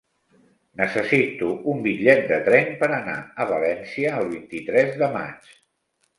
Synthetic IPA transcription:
nəsəsit̪uʔumbiʎɛt̪̚d̪ət̪ɾɛmpəɾəna̰əβəlɛnsiəːlˠβ̞int̪it̪ɾɛzðəma̰t͡ʃ

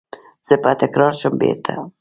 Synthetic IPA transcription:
zɛpat̪ɛkɾaɾʃəmbɛ̰t̪ʰɛ̰

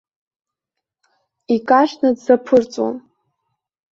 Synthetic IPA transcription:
ikʼaʃnɨdzapʰɨrt͡sʼwa̰n

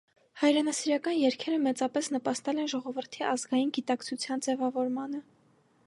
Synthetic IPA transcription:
hɑjɾɛnɑsiɾɑkɑnjɛɾkʰɛɾəmɛt͡sɑpɛsn̪əpɑst̪ɛlɛnʒɔʁɔvəɾt̪ʰiʔɑzɡɑjinɡit̪ɑkt͡sʰut͡sʰjɑnd͡zɛvɑvɔɾmɑnə

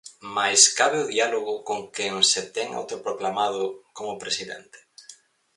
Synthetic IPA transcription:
majskaβɪʊðialoɣʊkoŋkeŋset̪ɛŋa̰wt̪opɾoklamað̞ʊkomʊpɾesiðɛ̰nt̪e̥

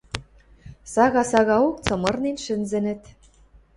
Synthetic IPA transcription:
sɑɣɑsɑɣɑok̚t͡sɤ̆mɤ̆rninʃɘ̆nzɘ̆nɘ̆t̪

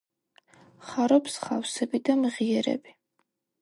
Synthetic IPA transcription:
χaɾɔpsχa̰fsɛbid̪amʁiɛɾɛ̰bi

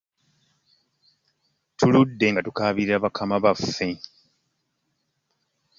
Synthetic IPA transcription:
tuludːe̞ŋɡatukaβiiɾaβakʰamaβafːe̞

